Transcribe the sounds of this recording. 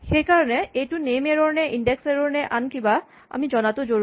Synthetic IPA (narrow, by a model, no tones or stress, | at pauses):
xejkaɹɔnɛejtunemeɹoɹnɛʔinɖekseɹoɹnɛʔankiba | a̰mid͡ʒɔnat̪od͡ʒoɹ